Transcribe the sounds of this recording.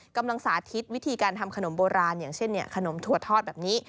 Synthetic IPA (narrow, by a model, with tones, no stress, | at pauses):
ka˧mla˧ŋsaː˩˦t̪ʰi˦˥t̪̚wi˦˥t̪ʰiː˧kaː˧nt̪ʰa˧mkʰa˧no˨˩˦mboː˧ɾaː˧njaː˨˩ŋt͡ɕʰe˥˩nːi˥˩ɐkʰa˧no˩˦mt̪ʰu˨˩ət̪ʰːɔː˥˩t̪̚bɛː˨˩p̚niː˦˥